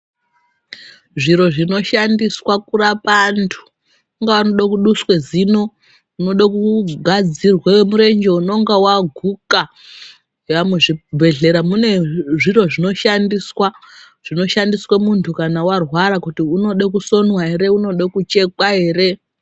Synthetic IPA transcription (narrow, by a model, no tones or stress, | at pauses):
ʐiɾo̞ʐino̞ʃandiswakurapantʰu̥ | uŋɡaanoɗakuɗuswe̞zino̞ | uno̞ɗakuɡʱad͡zirwawemuɾe̞nd͡ʒe̞uno̞ŋɡawaɡʱuka | ɦʋamweʐibʱe̞ɮe̞ɾamune̞ʐiro̞ʐino̞ʃandiswa | ʐ̥ino̞ʃandiswamuntʰukanawarwaɾakutiuno̞ɗakuso̞nwaɦe̞ɾe̞uno̞ɗakut͡ʃe̞kwaɦe̞ːre̞